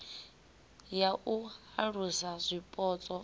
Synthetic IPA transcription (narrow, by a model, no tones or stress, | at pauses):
jaʔuhaɺusazʷipʼɔːt͡sʼɔ